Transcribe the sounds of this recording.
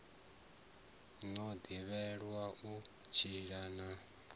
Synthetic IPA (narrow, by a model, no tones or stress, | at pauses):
ŋ͡ǀɔd̪iβɛɺwaʔu | t͡ʃʰiɺana